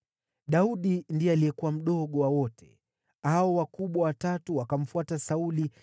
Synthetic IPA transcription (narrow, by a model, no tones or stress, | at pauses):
ɗauɗindijɛalijɛkuwam̩ɗɔɠɔwawɔtʰɛ̥ | aɔwakuɓwawatatuwakam̩fuatasauli